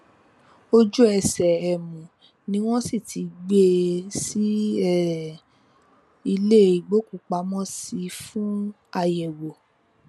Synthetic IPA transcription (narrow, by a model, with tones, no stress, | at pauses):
o˧d͡ʒu˦ɛ˧sɛ˨ɛ˨mũ˨ | nĩ˦w̃ɔ̃˦si˦˨ti˨˦ɡ͡be˧si˦ɛ˦˨ | i˧le˦i˨ɡ͡bo˦ku˨˧˨k͡pa˧˦mɔ̃˦si˨˧fũ˦ | a˧jɛ˨wo˨